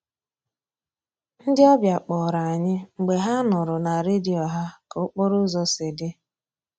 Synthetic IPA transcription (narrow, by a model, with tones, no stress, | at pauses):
n̩˦dɪ˦ɔ˦bja˨k͡pɔ˨ɾa˨a˨ɲɪ˦ŋ͡m̩˨ɡ͡be˨ɦa˦nʊ˨ɾʊ˨na˨ɾe˦di˨ɔ˨ɦa˦kʊ˦k͡pɔ˦ɾʊ˦zɔ˦se˨dɪ˦